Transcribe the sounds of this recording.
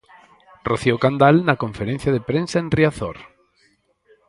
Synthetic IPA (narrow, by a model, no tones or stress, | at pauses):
roθiokand̪alnɐkõɱfeɾẽn̟θjaðepɾẽnsaenriaθɔ̰ɾ